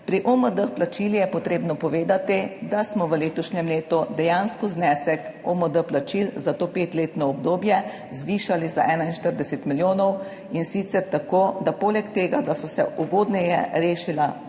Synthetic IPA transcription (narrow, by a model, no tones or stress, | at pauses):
pɾiʔoməd̪əxplat͡ʃilijɛpɔt̪ɾeːbnɔpɔʋeːd̪at̪id̪asmɔʋəleːt̪ɔʃɲɛmleːt̪ud̪ɛjanskɔznɛsɛkɔməd̪əplat͡ʃilzat̪oːpeːt̪leːt̪nɔɔb̚d̪oːbjɛ | zʋiʃalizaʔɛːnainʃt̪əɾd̪ɛset̪miljoːnɔw | insit̪sɛɾt̪akoːd̪apoːlɛkt̪eːɡad̪asɔsɛ̰ʔuɡoːd̪nɛjɛ̰ɾeːʃila